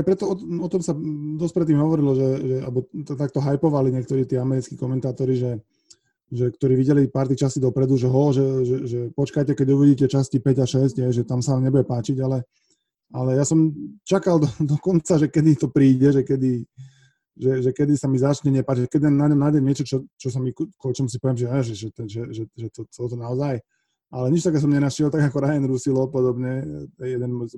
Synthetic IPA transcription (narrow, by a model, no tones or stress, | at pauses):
ajpɾɛt̪ɔɔɔt̪ɔmsad̪ɔsc̚pɾɛt̪̬ːiːmɦɔʋɔɾilɔʒɛʒɛa̰bɔt̪t̪ak̚t̪ɔɦajpɔʋaliɲɛk̚t̪ɔɾiːt̪ɪɛamɛɾit͡skikɔmɛnt̪aːt̪ɔɾiʒɛ | ʒɛkt̪ɔɾiːʋiɟɛlipaːɾt̪it͡ʃasid̪ɔpɾɛd̪uʒɛɦɔʒɛʒɛʒɛpɔt͡ʃkajcɛkɛɟuʋiɟiːcɛt͡ʃascipɛɟaʃɛsɟɦɛjʒɛt̪amsaʋaːmɲɛbujɛpaːt͡ʃiɟalɛ | alɛjasɔmt͡ʃakald̪ɔd̪ɔkɔnt͡saʒɛkɛd̪it̪ɔpɾiːɟɛʒɛkɛd̪i | ʒɛʒɛkɛd̪isamizat͡ʃɲɛɲɪɛpaːt͡ʃiʒɛkɛd̪̚ɛnnaɲɔmnaɟɛmːɪɛt͡ʃɔt͡ʃɔt͡ʃɔs̬amikkɔlt͡ʃɔmus̬ipɔʋɛmʒɛaʒɛʒɛt̪ɛnʒɛʒɛʒɛt̪ɔt͡sɛlɔt̪ɔnaɔzaj | ʔalɛɲit͡ʃt̪akɛːs̬ɔmɲɛnaʃɪɛlt̪aɡakɔɾajɛnɾusilɔpɔd̪ɔbɲɛɛjɛd̪ɛnmɔj